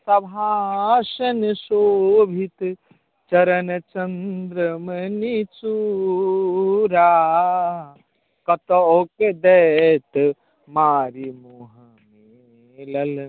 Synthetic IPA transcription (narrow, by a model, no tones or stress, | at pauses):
sɐbʱãʃɐnisoːbʱit̪ | t͡ʃɐɾɐnɐt͡ʃɐnd̪ɾɐmɐnit͡ʃu | ɾaː | kɐt̪ooked̪ɛt̪ | maːɾimoɦɐ | me | lɐl